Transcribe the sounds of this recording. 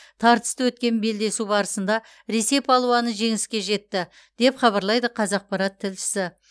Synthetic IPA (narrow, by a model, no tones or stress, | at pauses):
t̪ʰɑɾt̪ə̥st̪əwɵt̪̚kʲe̞nbe̞ld̪e̞subɑɾəsənd̪ɑ | ɾe̞se̞pʰɑlˠuɑnəʒe̞ŋɪskʲe̞ʒe̞t̪ːɪ | d̪̥e̞pχɑβɑɾlˠɑjd̪əqʰɑzɑq̚pɑɾɑt̪ʰːɪlʃɪ̥sɪ